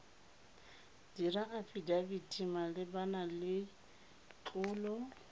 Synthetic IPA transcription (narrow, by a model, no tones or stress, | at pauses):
d̥iraʔafidabitʰʼimalɪbanalɪ | t͡ɬʼuːlɔ